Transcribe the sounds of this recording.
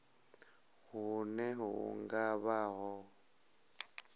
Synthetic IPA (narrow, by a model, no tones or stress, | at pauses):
hunɛɦṵŋɡaβaɦɔ